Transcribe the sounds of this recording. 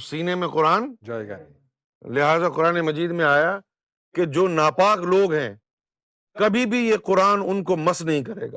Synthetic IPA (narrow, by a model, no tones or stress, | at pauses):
siːnemẽqʊɾaːn | lɪɦaːzaqʊɾaːnemɐd͡ʒiːd̪mẽaːja | ked͡ʒoːnaːpaːkloːɡɦɛ̃ː | kɐbʱibʱijeqʊɾaːnʊnkomɐsnɐɦĩkɐɾḛːɡa̰ː